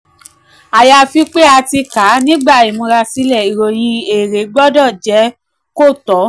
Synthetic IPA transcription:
a˨ja˧˨fi˦k͡pe˦a˧ti˧ka˨˦nĩ˦ɡ͡ba˦˨i˨mũ˧ɾa˧si˦lɛ˦˨i˨ɾo˨j̃ĩ˧e˨ɾe˨˦ɡ͡bɔ˦dɔ˦˨d͡ʒɛ˨˦ | ko˦˨tɔ˨˦

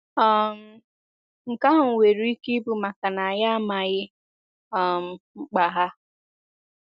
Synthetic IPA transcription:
a˦˨m̩˨ | ŋ̩˨ka˦ɦʊ˨ŋ̩˨we˨ɾu˦i˦ke˦bu˨ma˨ka˨na˨a˨ja˦a˦ma˨ɣɪ˦ | a˨m̩˨ŋ͡m̩˨k͡pa˨ɦa˦

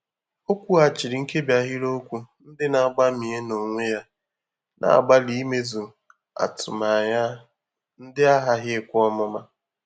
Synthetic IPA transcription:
o˦kʷu˦a˨t͡ʃɪ˨ɾɪ˨ŋ̩˦ke˦bja˨ɦɪ˦ɾo˦kʷu˦n̩˦dɪ˦na˨ɡ͡ba˦mi˨e˦no˨ŋʷe˦ja˦ | nʔa̰˨a̰˨ɡ͡ba˦li˦me˦zu˨ | a̰˨tʊ˨ma˨ɲa˦ | n̩˦dɪ˦a˦ɦa˦ɦɪ˦kʷɔ˦mʊ˦ma˦

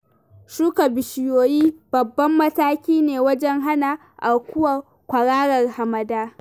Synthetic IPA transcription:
ʃuː˦ka˨bɪ˨ʃɪ˨joː˨jiː˦b̥ɐ˨bːɐ˦mːɐ˦taː˦kʲiː˦neː˨wɐ˦d͡ʒɛ˦ŋɦa˦na˨ | ʔa˨kʷʊ˦wa˨ | kʷɐ˨ɽaː˦ɽɐ˨rha˨mɐ˨daː˦

